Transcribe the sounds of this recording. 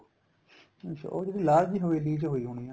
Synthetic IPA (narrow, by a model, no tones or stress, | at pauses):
t͡ʃo̰ːd͡ʒeːdiːlaːɾd͡ʒɦoːeːliːd͡ʒɦoːiːɦoːɽ̃iːãː